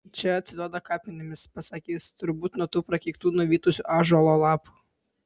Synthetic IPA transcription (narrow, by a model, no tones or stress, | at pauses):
t͡ʃʲɛɐt̪sʲɪd̪oːd̪ɐkɑːpʲmʲɪnʲɪmʲɪspɐsɐkʲiːst̪ʊɾbuːt̪ʲnot̪uːpɾɐkʲikt̪uːnʊʋʲiːt̪ʊsʲʊʔɑːʒʊɐlˠɔlˠɑːpʊ̥